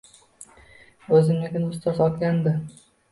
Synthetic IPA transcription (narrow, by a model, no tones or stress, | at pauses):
ɵzɪmekʲɪnʊst̪ɒzɒt̪ɡʲand̪ɪ